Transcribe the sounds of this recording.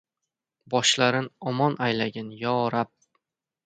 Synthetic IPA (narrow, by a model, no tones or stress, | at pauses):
bɒʃlaɾɪnɒmɒnʔajlaɡʲanjɒɾap̚